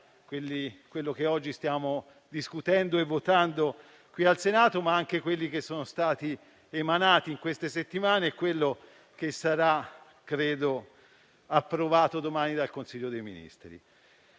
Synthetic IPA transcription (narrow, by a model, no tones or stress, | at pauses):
kwelːikwelːok̟eɔd͡ʒːist̪jaːmo | d̪iskut̪ɛnd̪oevːot̪and̪o | kwialsenaːt̪omaaŋkekwelːik̟esːoːnost̪aːt̪i | emanaːt̪iiŋkwest̪eset̪ːimaːneɛkːwelːo | k̟esaɾa | kɾeːd̪o | apːɾovaːt̪od̪omaːnid̪alkonsiʎːod̪ejmḭnḭst̪ɾḭ